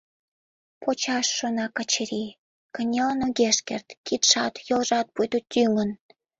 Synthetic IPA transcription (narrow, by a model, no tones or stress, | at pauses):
pot͡ɕɑʃːonɑkɑt͡ɕeɾi | kənʲelənoɣeʃkḛrt̪kit̪ʃɑt̪jolʒɑt̪̚pujt̪ut̪yŋən